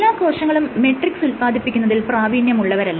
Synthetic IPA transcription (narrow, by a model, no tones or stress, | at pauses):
lːaːkoːʂɐŋːɐɭumːeʈriksulpaːd̪ʱipːikʲːunːɐðilpraːbiːnjɐmuɭːɐʋɐɾɐlːɐ